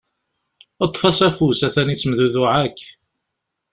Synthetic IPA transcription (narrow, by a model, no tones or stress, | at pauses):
ət̪ˤːfɑsæfusæθænit͡sːmðuðʊʕakː